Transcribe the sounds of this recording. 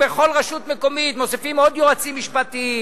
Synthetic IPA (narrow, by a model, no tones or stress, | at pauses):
beχo̞lʁaʃut̪meko̞mit̪mosefimo̞d̪joat͡simːiʃpat̪i